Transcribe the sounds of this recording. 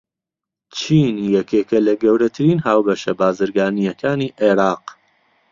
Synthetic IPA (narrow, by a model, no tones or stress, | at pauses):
t͡ʃʰiːnjɛkeːkɐlɐɡɐwɾɐt̪ʰɨɾiːnɦaːwbɐʃɐbaːzɨɾɡaːnijɐkʰaːniːʔeɾɑːq